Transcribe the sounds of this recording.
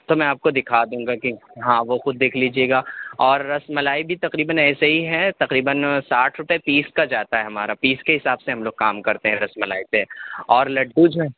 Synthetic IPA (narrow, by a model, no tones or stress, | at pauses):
t̪omɛ̃aːp̚kod̪ɪkʰad̪ũːŋɡakiɦãːʋoxʊd̪̚ːeːkʰliːd͡ʒieːɡaːɔːɾːɐsmɐlaːibʱit̪ɐqɾiːbənɛːseɦiɦɛt̪ɐqɾiːbənsaːʈʰɾʊpepiːskad͡ʒaːt̪aɦɛɦɐmaːɾapiːskeɦɪsaːbseɦɐ̃mloːɡ̚kaːmkɐɾt̪eɦɛ̃ɾɐsmɐlaːit̪eɔːɾlɐʈ̚buːd͡ʒẽː